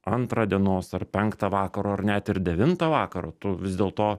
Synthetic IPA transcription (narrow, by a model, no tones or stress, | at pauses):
ɐnt̪ɾɐːd̪ʲiɛnoːsɐrpʲɛŋkt̪ɐʋɑːkɐɾoːɐɾnʲæt̪ɪɾd̪ʲɛʋʲɪnt̪ɐʋɑːkɐɾoːt̪ʊʋʲɪzʲd̪ʲeːlˠt̪oː